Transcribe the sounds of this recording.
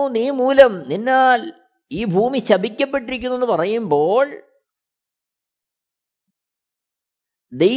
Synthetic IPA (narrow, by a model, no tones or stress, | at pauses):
niːmuːlɐmninːaːl | iːbʱuːmiɕɐbikʲːɐpːe̞ʈ̬ːiɾikʲːunːenːɨpɐrɐjumboːɭ | d̪e̞j